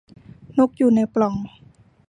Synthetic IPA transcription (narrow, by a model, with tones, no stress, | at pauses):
no˦˥k̚juː˨˩na˧jplɔ˨˩ŋ